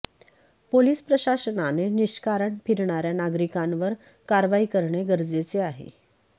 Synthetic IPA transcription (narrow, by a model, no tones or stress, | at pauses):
poliːspɾəɕasənaneniɕkaɾəɳpʰiɾɳaɾjanaɡɾikãnʋəɾ | kaɾʋaiːkəɾɳeɡəɾd͡zet͡seaɦḛ